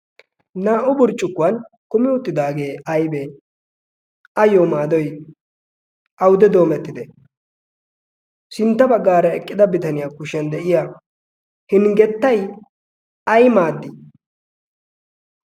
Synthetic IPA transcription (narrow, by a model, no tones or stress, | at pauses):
naːʔʊbʊɾt͡ʃʼːʊkːʊwɐn | kʊmɪʊt̪ːɪd̪aːɡe̞ːɐjbɛ | ʔɐjoːmaːd̪ɔj | ʔɐwʊd̪ɛd̪o̞ːmɛt̪ːɪd̪ɛ | sɪnt̪ːɐbɐɡːaːɾɐɛkʼːɪd̪ɐbɪt̪ɐnɪjaːkʊʃɛnd̪ɛʔɪjaː | hɪnɡɛt̪ːɐj | ɐjmaːd̪ːɪ